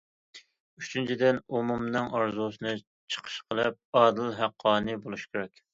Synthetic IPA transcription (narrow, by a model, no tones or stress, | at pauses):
yt͡ʃʰynt͡ʃʰid̪ɪnomumnɨŋɑɾzusɨnɨ | t͡ʃʰə̥qʰə̥ʃqʰəlˠɨp̚ɑːd̪ɨlɦæqʰːɑːnɨbolˠuʃkʲʰeɾɛkʲ